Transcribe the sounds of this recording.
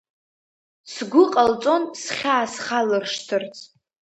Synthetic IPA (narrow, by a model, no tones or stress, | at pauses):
sɡʷʊqʼalt͡sʼo̞nsχʲaːsχalɨrʂtʰɨrt͡sʼʰ